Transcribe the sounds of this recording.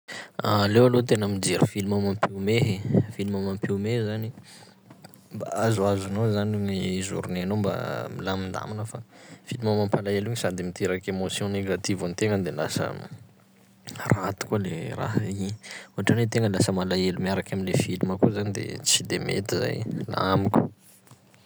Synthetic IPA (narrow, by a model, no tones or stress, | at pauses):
alewalot̪enəmid͡ʒeɾufilimamampiumeɦefilimamãmpiwmeɦzani | mba̰azuazunozanuɲiizṵɾunanomba̰milamind̪a̰manəfafilimamampalaeluɲisad̪imit̪eɾakemosjɔ̃neɡat̪ivanit̪eŋənd̪elasə̰ | rat̪u̥kalḛra̰ɦiɲuɦaʈ͡ʂanet̪eŋəlasəmalaelumiaɾakaminlefiluməkuzanid̪ḛt͡sid̪emḛt̪iza̰jla̰amiku̥